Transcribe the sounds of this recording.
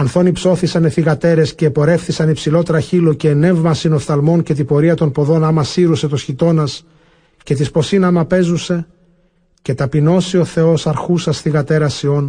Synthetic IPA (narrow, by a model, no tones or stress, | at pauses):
ɐnθo̞nipso̞θisɐneθiɣɐt̪e̞ɾe̞sce̞ːpo̞ɾe̞fθisɐnipsilo̞t̪ɾɐçilo̞ceːne̞vmɐsinost̪ɐlmo̞nce̞t̪ipo̞ɾiɐt̪o̞npo̞ðo̞nɐmɐsiɾuse̞t̪osçit̪o̞nɐs | ce̞t̪ispo̞sinɐmɐpe̞zuse̞ | ce̞t̪ɐpino̞sio̞θe̞o̞sɐɾxusɐsθiɣɐt̪e̞ɾɐsio̞n